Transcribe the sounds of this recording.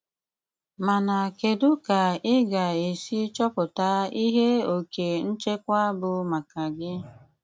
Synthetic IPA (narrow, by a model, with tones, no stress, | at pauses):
ma˨na˨ke˨dʊ˦ka˨ɪ˦ɡa˨e˨si˦t͡ʃɔ˦pʊ˨ta˦i˦ɦe˦o˨ke˨n̩˦t͡ʃe˦kʷa˦bʊ˨ma˨ka˨ɡɪ˦